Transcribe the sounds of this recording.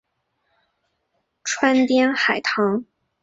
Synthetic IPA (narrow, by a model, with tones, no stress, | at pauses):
ʈ͡ʂʰwa˥nt̪jɛ˥nxa˨˩ɪt̪ʰɑ˧˥ŋ